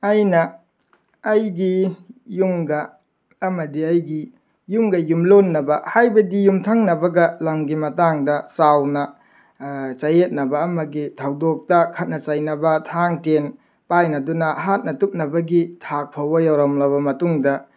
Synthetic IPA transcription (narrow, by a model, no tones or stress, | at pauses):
ajnɐː | jɡijumɡɐː | mɐdiɐjɡi | jumɡɐjumlonːɐbɐhajbɐdijumtʰɐŋnɐbɐɡɐlɐmɡimɐtaŋdɐsawnɐ | t͡ʃɐjet̚nɐbɐːmɐɡitʰawdok̚tɐkʰɐt̚nɐt͡ʃajnɐbɐtʰaŋten | pajnɐdunɐɦat̚nɐtup̚nɐbɐɡitʰak̚pʰɐwbɐjawɾamlɐβɐmɐtuŋdɐ